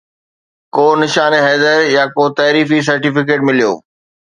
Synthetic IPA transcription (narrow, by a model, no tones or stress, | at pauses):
koːnɪʃaːneɦɛːd̪əɾjaːkoːt̪ɐːɾiːfis̬ɐɾʈifɪk̬eːʈ̚mɪlijo̰ː